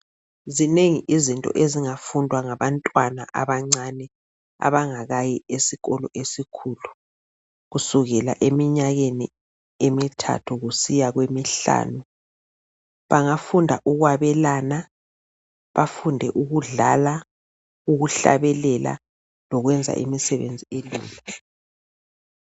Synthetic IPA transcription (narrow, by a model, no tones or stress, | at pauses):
zineŋiʔizintʼɔ̰ʔeziŋafundʱwaŋaβantʼwana̰ʔaβaŋ͡ǀanɛ | a̰βaŋaɣajiesiɣɔlɔ̰ʔesikʰuːlu | ɣusuɣɛla̰ʔemiɲaɣenḭ | emitʰa̰tʰuɣusijaɣwemiɬa̰ːnu | βaŋafundʱa̰ʔuɣwaβɛlaːna | βafundʱɛʔuɣuɮala | uɣuɬa̰βɛlɛla̰ | lɔɣwɛnd͡zʱa̰ʔḭmisɛβḛnd͡zʱielḭːmi